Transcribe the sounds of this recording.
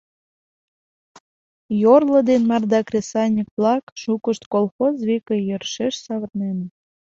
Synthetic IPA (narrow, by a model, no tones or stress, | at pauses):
jorlə̆d̪enmɑrd̪ɑkrʲesɑnʲik̚plɑkʃukəʃt̪kolˠxozβikejørʃeʃsɑβə̆rnen